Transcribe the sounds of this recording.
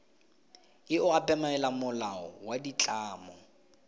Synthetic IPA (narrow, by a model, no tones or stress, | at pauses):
ɪʊapʼɛmaɛlamʊlaɔ̰wadit͡ɬʼaːmɔ